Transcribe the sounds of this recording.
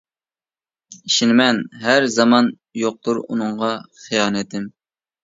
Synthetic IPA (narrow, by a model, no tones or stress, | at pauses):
iʃinɪmɛnɦæɾzɑmɑn | joq̚t̪uɾṵnɨɴʁɑχijɑːnɛt̪ɪm